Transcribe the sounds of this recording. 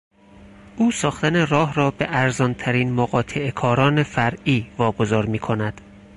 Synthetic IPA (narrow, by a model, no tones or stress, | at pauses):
ʔuːsɒːxt̪ænerɒːɦrɒːbeʔæɾzɒːnt̪ʰæɾiːnmoɣɒːt̪ʰeʔekʰɒːɾɒːnefæɾʔiːvɒːɡo̞zɒːɾmiːkʰo̞næd̪̥